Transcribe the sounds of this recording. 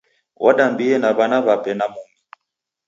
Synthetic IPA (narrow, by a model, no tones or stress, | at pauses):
wʔaɗambiɛnaβanaβapɛnamuŋi